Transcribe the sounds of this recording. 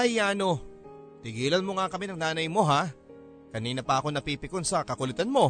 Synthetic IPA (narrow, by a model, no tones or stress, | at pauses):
ɐjaːno̞ | t̪ɪɡiːlɐnmo̞ŋakɐmɪnɐŋnaːnɐjmo̞ɦa | kɐniːnɐpɐʔɐko̞nɐpiːpɪkonsɐkɐkʊlɪt̪anmo̞